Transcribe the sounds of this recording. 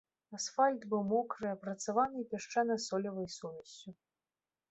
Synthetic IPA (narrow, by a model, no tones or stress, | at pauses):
asfalʲt̪bɨwmɔkɾɨɐpɾɐt̪savanɨpʲɛʂt͡ʂanɐsɔlʲɐvɐjsuvʲɛsʲːu